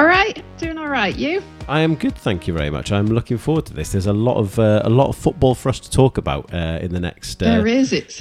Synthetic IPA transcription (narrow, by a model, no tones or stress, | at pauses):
ɹaɪʔd̥ʉ̃nəɹaɪʔʉ | ʔaɪə̃mɡʊd̪̥̚θæ̃ŋkʰjəvɛ̰ɹḭmʌ̰t͡ʃãɪ̃mlʊkɪ̃ŋfɔːwəd̚tʰəðɪsðəzəlɒ̰ʔə̰v̥əə̰lɒ̰tə̰v̥fʊʔb̥ɔːlˠfəɹʌstʰə̥tʰɔˑkəba̰ʊtʌɪ̰̃nðənɛ̰kstəɹɪzɪt